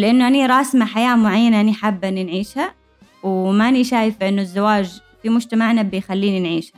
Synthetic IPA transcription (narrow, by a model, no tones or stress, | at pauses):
lɪʔɪnːʊʔaniɾˤɑːsmaħajaːmʊʕajːanaʔaniħabːʔɪnːinʕiːʃha | wmaʔaniʃaːjɪfbʔɪnːʊzːawaːd͡ʒ | fimʊd͡ʒt̪amaʕnabɪjxalːiːninʕiːʃha